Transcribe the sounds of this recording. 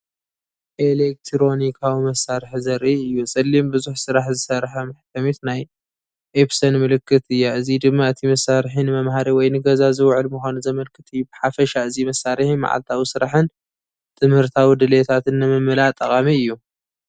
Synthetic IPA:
ʔelek̚t̪ʰɾo̞nikʰawimɐsːaɾħizɐɾʔiɨjːusʼɐlːimbɨzuħsɨɾaħzɨsɐɾħɐmaħt̪ʰɐmit̪naj | ʔepsɐnmɨlɨkːɨt̪ɨjːaɨzid̪ɨmːaɨt̪ʰimɐsaɾħinɨmɐmɦaɾiwɔjnɨɡɐzazɨwʕɨlmuxʷanuzɐmɐlkʰɨt̪ʰʼɨjːubɨħafɐʃaɨzimɐsːaɾɨħima̰ʕa̰lt̪ʰawisɨɾaħɨn | t̪ʰɨmhɨɾt̪ʰawid̪ɨlet̪ʰat̪ɨnːɨmɨmːɨlat̪ʼɐχʼamiɨjːu

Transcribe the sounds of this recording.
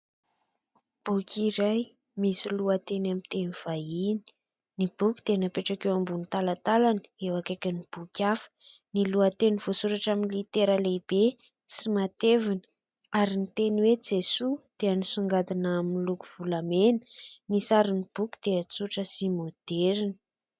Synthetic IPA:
b̥ukʲiɾaj | misiluət̪enamint̪eniv̥aini̥ | nib̥ukʲi̥d̪̥enapeʈ͡ʂakewambunit̪alat̪alanə̥ewakakʲənib̥ukʲafə̥ | niluət̪eniv̥osuɾaʈ͡ʂaminilit̪eɾəleb̥e | simat̪evinə̥ | aɾinit̪eniwed͡zesud̪̥eanisuŋɡad̪inaaminluku̥v̥ulamenə̥nisaɾinib̥ukʲi̥d̪̥eat͡suʈ͡ʂəsimod̪̥eɾinə̥

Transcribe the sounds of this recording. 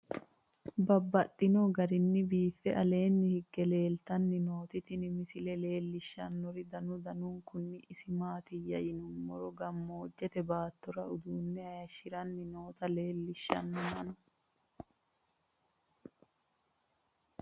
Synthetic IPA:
bɐbːɐt̪ʼːɪnɔɡɐɾɪnːɪbiːfɛʔɐle̞ːnːɪhɪɡːɛle̞ːlt̪ɐnːɪnoːt̪ɪt̪ɪnɪmɪsɪlɛle̞ːlːɪʃːɐnːɔɾɪd̪ɐnʊd̪ɐnuːŋkʊnːɪʔɪsɪmaːt̪ɪjːɐjɪnʊmːɔɾɔɡɐmːɔɔd͡ʒːɛt̪ɛbaːt̪ːɔɾɐʊd̪uːnːɛɐjɐʃɪɾɐnːɪno̞ːt̪ɐle̞ːlːɪʃːɐ̰nːɔmɐnʊ̥

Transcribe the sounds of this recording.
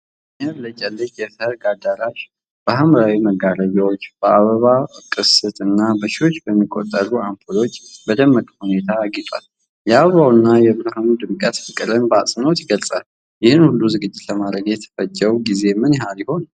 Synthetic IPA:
ɲaβlət͡ʃʼɛlːɨt͡ʃjɛsəɾɡad̪aɾaʃ | b̥əɦamɾawiməɡaɾəjawot͡ʃːb̥əaβəβakʼɨsɨt̪ʼɨnːabəʃio̞t͡ʃːbəmːikʼːo̰t̪ʼːəluampʰolo̞t͡ʃːbəd̪əmːəkʼhune̞t̪ʰaɡit̪ʼwa̰l | jɛaβəβawnːajɛbɾəhanud̪ɨmkʼət̪fɨkʼɨɾɨnbasʼɨnot̪jɪɡəlsʼal | jɪhɨnhulːuzɨɡɨd͡ʒːɪt̪ləmad̪ɾəɡjɛt̪ʰə̥fəd͡ʒːɛwɡize̞mɨnjɛɦaɾiho̞n

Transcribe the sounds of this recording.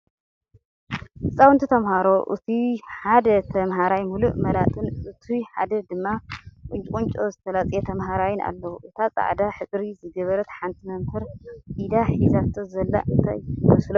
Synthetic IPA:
hɨsʼawɨnt̪ʰit̪ʰɐmhaɾo̞ʔɨ̰t̪ʰiħad̪ɐt̪ʰɐmɦaɾajmuluʔmɐlat̪ʼɨnʔɨt̪ʰiħa̰d̪ɐd̪ɨmːakʼʊnt͡ʃʼkʼunt͡ʃʼozɨt̪ʰɐlat͡sʼjet̪ʰɐmɦaɾajɪna̰lːɐwuʔɨt̪ʰat͡sʼa̰ʕd̪aħɨt͡sʼɾizɨɡɐβɐɾɐt̪ħant̪ʰimɐmhɨɾʔid̪aħizat̪ʰːozɐlːa̰ʔɨnt̪ʰa̰jwɐslo

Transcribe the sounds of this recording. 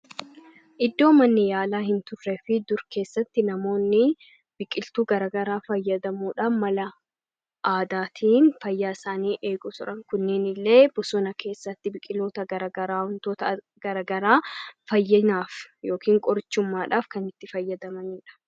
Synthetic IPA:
ʔɪd̪ːo̞ːmɐnːɪjaːlaːhɪnt̪ʊrːɛfɪd̪ʊɾke̞ːsːɐt̪ːɪnɐmo̞ːnːɪ | b̥ɪkʼɪlt̪uːɡɐɾɐɡɐɾaːfɐjːɐd̪ɐmuːᶑamɐlɐ | ʔaːd̪aːt̪ʰiːnfɐjːaːɪsaːniːʔe̞ːɡʊt̪ʊɾɐŋkʊnːeːnɪlːe̞ːbʊsɔnɐkʰe̞ːsːɐt̪ːɪbɪkʼɪlo̞ːt̪ɐɡɐɾɐɡɐɾaːhʊnt̪oːt̪ɐ | ɡ̥ɐɾɐɡɐɾaːfɐjːɐnaːfjo̞ːkiːŋkʼɔɾt͡ʃːʊmːaːᶑaːfkɐnɪt̪ːɪfɐjːɐd̪ɐmɐniːᶑɐ̥

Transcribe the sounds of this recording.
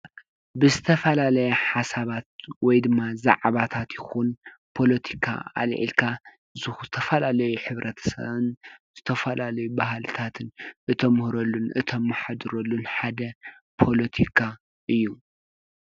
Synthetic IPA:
bɨzɨt̪ʰɐfɐlalɐjɐħasaβat̪̚wɔjd̪ɨmːaza̰ʕβat̪ʰat̪jɪxun | pʰo̞lɐt̪ʰikʰa̰a̰lʕḭlkʰa | zɨzɨt̪ʰɐfɐlalɐjuħɨβɾʔɐt̪ʰɐ̥sɐ̰βɨnz̥ɨt̪ʰɐfɐlalɐjubahlɨt̪ʰat̪ʰɨnʔɨt̪ʰomɨhɾɐlːunɨt̪ʰomːaħad̪ɨɾolːunħad̪ɐ | pʰo̞lɐt̪ʰikʰa | ʔɨjːu

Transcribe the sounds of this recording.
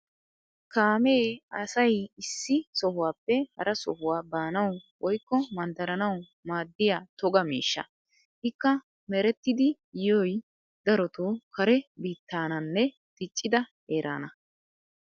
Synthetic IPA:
kaːmeːɐsɐjɪsːɪsɔhʊwaːpːɛhɐ̰ɾʔɐsɔ̰hʊwaːbaːnɐwwɔjkːɔmɐnd̪ɐɾɐnɐw | maːd̪ːɪjaːt̪ɔɡɐmḭːʃːɐ̰ | hɪkːɐ | mɛɾɛt̪ːɪd̪ɪ | jɔj | d̪ɐɾɔt̪oːkɐɾɛbiːt̪ːaːnɐnːɛ | t̪ɪt͡ʃʼːɪd̪ɐ | eːɾʔa̰ːnɐ

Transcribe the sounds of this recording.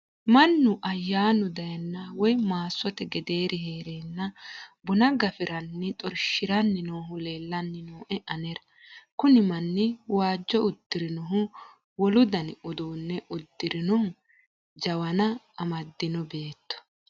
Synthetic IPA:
mɐnːʊʔɐjːaːnʊd̪ɐjɐnːɐwɔjmaːsːɔt̪ɛɡɛd̪e̞ːɾɪɦe̞ːɾeːnːɐbʊnɐɡɐfɪɾɐnːɪt̪ʼɔɾʃɪɾɐnːɪnoːɦʊle̞ːlːɐnːɪnoːʔɛʔɐnɛɾɐ | kʊnɪmɐnːɪwaːd͡ʒːɔʊd̪̥ːɪɾɪnɔɦʊ | wɔlʊd̪ɐnʊd̪oːnːɛʔʊd̪ːɪɾɪnɔh | d͡ʒɐwɐnɐː | mɐd̪ːɪnɔbe̞ːt̪ːɔ̥

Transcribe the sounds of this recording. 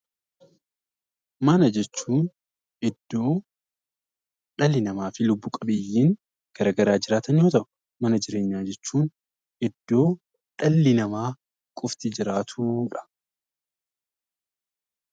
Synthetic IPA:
mɐnɐd͡ʒɛt͡ʃːuːn | ʔɪd̪ːoː | ᶑɐlːɪnɐmaːfɪlʊbːuːkʼɐbeːjːiːŋ | ɡ̥ɐɾɐɡɐɾaːd͡ʒɪɾaːt̪ɐnjo̞ːt̪ɐʔʊ̥ | mɐnɐd͡ʒɪɾe̞ːɲːaːd͡ʒɛt͡ʃːuːn | ʔɪd̪̥ːo̞ː | ᶑɐlːɪnɐmaː | kʼʊft̪ɪd͡ʒɪɾaːt̪ʰuːᶑɐ̥

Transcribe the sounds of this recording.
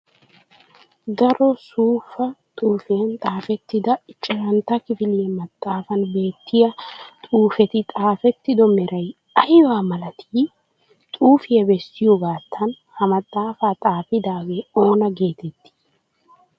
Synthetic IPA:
d̪ɐɾɔsuːfɐt̪ʼuːfɪjɐnt̪ʼaːfɛt̪ːɪd̪ɐɪt͡ʃʼːɪɾɐnt̪ɐkɪfɪlɪjɛmɐt̪ʼːaːfɐnbe̞ːt̪ʰːɪjɐt̪ʼuːfɛt̪ɪt̪ʼaːfɛt̪ːɪd̪ɔmɛɾʔɐj | ɐjwaːmɐlɐt̪ʰiː | t̪ʼuːfɪjɛbɛsːɪjɔɡaːt̪ʰːɐn | hɐmɐt̪ʼːaːfaːt̪ʼaːfɪd̪aːɡeo̞ːnɐɡe̞ːt̪ɛt̪ʰːi̥

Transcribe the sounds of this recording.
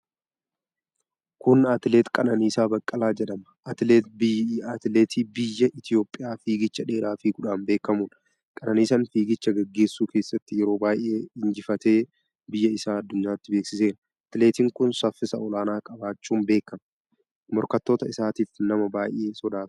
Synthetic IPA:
kʊnɐt̪ɪleːt̪kʼɐnɐniːsaːbɐkʼːɐlaːd͡ʒɛᶑɐmɐɐt̪ɪleːt̪̚bɪɐt̪ɪleːt̪ʰiːbɪjːɐʔɪt̪ʰɪjo̞ːpʼːɪjaːfiːɡɪt͡ʃːɐᶑe̞ːɾaːfiɡʊᶑaːmbe̞ːkɐmuːn | kʼɐnɐniːsɐnfiːɡɪt͡ʃːɐɡɛɡːe̞ːsːuːke̞ːsːɐt̪ːɪjɛɾo̞ːbaːjʔeːɪnd͡ʒɪfɐt̪e̞ː | bɪjːɐɪsaːɐd̪ːʊɲːaːt̪ːɪbeːksɪseːn | ɐt̪leːt̪iːŋkʊnsɐfːɪsɐɔlaːnaːkʼɐbaːt͡ʃːuːmbe̞ːkːɐmɐ | mɔɾkɐt̪ːo̞ːt̪ɐɪsaːt̪iːfnɐmɐbaːjʔe̞ːsɔd̪aːt̪

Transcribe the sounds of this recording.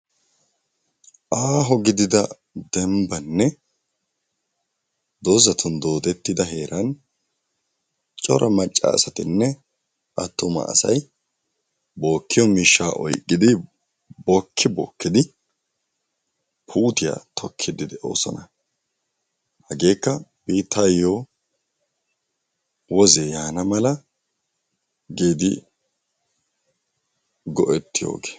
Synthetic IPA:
ʔaːɦɔɡɪd̪ɪd̪ɐ | d̪ɛmbɐnːɛ | d̪ozɐt̪ʰʊnd̪o̞ːd̪ɛt̪ːɪd̪ɐɦe̞ːɾʔɐn | t͡ʃʼɔɾʔɐmɐt͡ʃʼːɐ̰ːsɐt̪ɪnːɛ | ʔɐt̪ːʊmɐ̰ʔːsɐ̰j | bo̞ːkːɪjɔmiʃːaːʔɔ̰jkʼːɪd̪ɪ | bɔkʰːɪbɔ̰ːkːɪd̪ɪ | pʰuːt̪ɪja̰t̪ʰɔkʰːɪd̪ɪd̪ɛʔo̰ːsɔnɐ | hɐɡe̞ːkːɐb̥iːt̪ʰːɐjːoː | wɔzejaːnɐmɐlɐ | ɡeːd̪ɪ | ɡɔʔɛt̪ːɪjo̰ːɡe̥ː

